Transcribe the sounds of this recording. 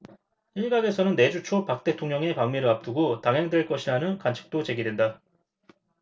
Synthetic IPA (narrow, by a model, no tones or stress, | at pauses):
iɭɡaɡe̞sʰʌnɯnːe̞d͡ʑut͡ɕʰopak̚t͈e̞tʰoŋɲʌŋe̞paŋmiɾɯɭap̚t͈uɡotaŋɦeŋdwe̞ɭk͈ʌɕʰiɾanɯnkant͡ɕʰɯ̥k̚t͈ot͡ɕe̞ɡidwe̞nda